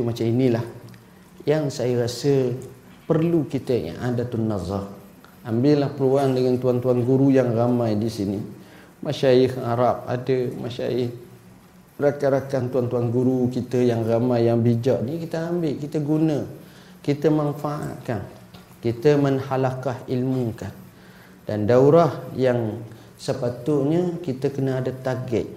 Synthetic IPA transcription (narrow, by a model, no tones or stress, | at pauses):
umat͡ʃaminilah | jaŋsajəɾasə | pərlukit̪əj̰ʔadat̪unːɑzˤɑr | ambɪʔlahpəluaŋdəŋant̪uant̪uanɡuɾujaŋramajdisini | maʃaɪhaɾap̚a̰dəma̰ʃa̰ɪh | rakaɾakant̪uant̪uanɡuɾukit̪əjaŋramajːaŋbid͡ʒaʔnikit̪əambɪʔkit̪əɡunə | kit̪əmanfaʔa̰t̪̚kan | kit̪əmənhalakahilmukan | d̥andauɾahjaŋ | səpat̪ʊʔɲəkit̪əkənəadat̪aɡɛ̰ʔ̪̚